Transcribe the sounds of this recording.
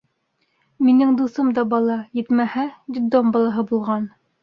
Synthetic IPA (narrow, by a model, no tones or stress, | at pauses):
minɘŋd̪uθɤmd̪ɑbɑlˠɑjɘ̆t̪mæhæd̪ʲid̪ombɑlˠɑɦɤbulˠʁɑn